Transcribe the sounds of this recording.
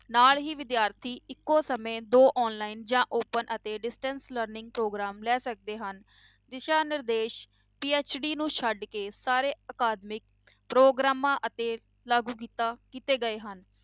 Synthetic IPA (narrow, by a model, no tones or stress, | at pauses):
naːlɦiːʋɪd̪jaːɾt̪ʰiːɪkːoːsəmẽːd̪oːʔɔːnlaːiːnd͡ʒãːʔoːpənʔət̪eːɖɪsʈənsləɾnɪ̃ŋɡ̚pɾoːɡɾaːmlɛːsək̚d̪eːɦən | d̪ɪʃaːnɪɾd̪eːʃ | piːeːt͡ʃɖiːnũːʃʰəɖkeːsaːɾeːəkaːd̪mɪk̚pɾoːɡɾaːmãːʔət̪eː | laːɡuːk̬iːt̪aːkiːt̪eːɡəeːɦən